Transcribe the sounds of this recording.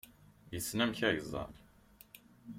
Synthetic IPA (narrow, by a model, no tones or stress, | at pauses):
jəsːnæmçæʝzˤɑ̰l